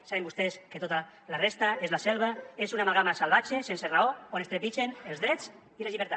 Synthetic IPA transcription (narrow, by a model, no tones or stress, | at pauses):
saβembust̪esket̪ot̪a | larest̪aezlaselβaeszunamalɣamasalβat͡ʃesenseraoonest̪ɾepit͡ʃenelzðɾet͡s | ilezʎiβeɾt̪a